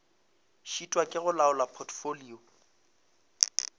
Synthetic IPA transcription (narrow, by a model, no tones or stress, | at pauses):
ʃitʼwakʼɪɣʊlaʊlapʰɔtʰfoliːɔ